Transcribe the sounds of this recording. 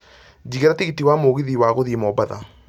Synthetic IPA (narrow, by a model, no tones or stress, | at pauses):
d͡ʑiɣeɾatiɣitiwamoɣiðiwaɣoðimɔbaða̰